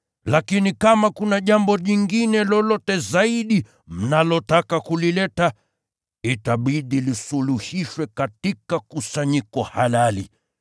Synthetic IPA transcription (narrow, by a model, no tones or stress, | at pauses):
lakinikamakunaʄambɔʄiŋɡinɛlɔlɔtɛzaiɗi | m̩nalɔtakakulilɛta | itaɓiɗilisuluhiʃwɛkatikakusaɲikɔhalalḭ